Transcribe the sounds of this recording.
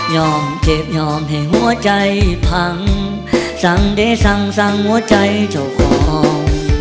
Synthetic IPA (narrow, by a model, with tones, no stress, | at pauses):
jɔː˧˩mt͡ɕe˨˩p̚jɔː˧˩mɦa˨˩jɦu˧˩˥ɐt͡ɕa˧jpʰa˧˩ŋ | sa˧˩ŋde˧˩jsa˧˩ŋsa˧˩ŋhu˧˥ɐt͡ɕa˧jt͡ɕa˨˩wkʰɔː˨˩˦ŋ